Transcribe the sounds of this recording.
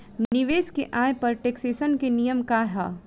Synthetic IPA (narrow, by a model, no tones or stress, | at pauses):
nɪʋeːskeʔaːjpɐɾʈeːkseːsənkenijəmkaɦa̰